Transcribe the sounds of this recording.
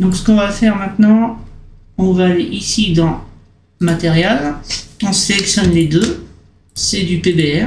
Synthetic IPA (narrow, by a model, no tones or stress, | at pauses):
d̪ɔ̃ksə̥kɔ̃vafɛʁmɛ̃t̪nɑ̃ | ɔ̃vaːleʔisid̪ɑ̃ | səmat̪eʁjalɔ̃selɛksjɔnled̪ø | sɛd̪ypebeɛ